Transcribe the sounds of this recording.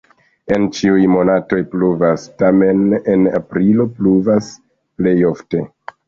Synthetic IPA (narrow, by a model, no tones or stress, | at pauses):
e̞nt͡ʃiujmo̞nato̞jpluvastame̞nena̰pɾilo̞pluvas | ple̞jo̞fte̞